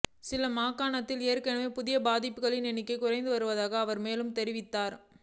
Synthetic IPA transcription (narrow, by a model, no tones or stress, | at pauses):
sɪlɐmaːkːaːɳɐt̪ːɪleːɾkɐɳɯmeːpʊðɪjɐbaːðɪpːɯɣɐɭɪnɛnɪkːɐɪkʊrɐɪnd̪ɯʋɐɾɯʋɐðaːɣɐːʋɐɾmeːlɯmt̪ɛɾɪʋɪt̪ːaːɾ